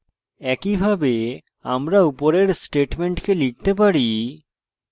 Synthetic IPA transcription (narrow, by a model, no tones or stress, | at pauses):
ɛkibʱabe | a̰mɾaupoɾeɾsʈeʈmeɳʈkelik̚t̪ep̬aɾi